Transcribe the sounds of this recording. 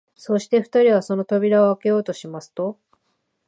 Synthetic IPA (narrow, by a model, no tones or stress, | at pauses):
so̞ːɕi̥t̪e̞ɸɯ̟̥t̪aɾʲiβ̞aso̞no̞t̪obʲiɾaoake̞jo̞ːt̪o̞ɕimasɨ̥t̪o̞